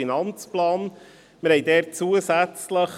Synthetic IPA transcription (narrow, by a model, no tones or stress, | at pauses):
inɑnt͡splɑːn | məɾhɛɪdɛːɾt͡suəsæt͡sləχ